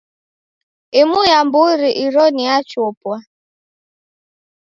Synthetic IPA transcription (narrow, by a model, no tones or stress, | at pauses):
ɪmʊjam̩bʊɾiʔiɾɔniat͡ʃʊopwa